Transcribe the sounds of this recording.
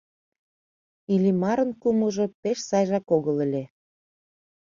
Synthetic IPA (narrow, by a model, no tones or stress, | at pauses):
ilʲimɑɾə̆nkumɤʒŏpeʃsɑjʒɑkoɣələ̆lʲe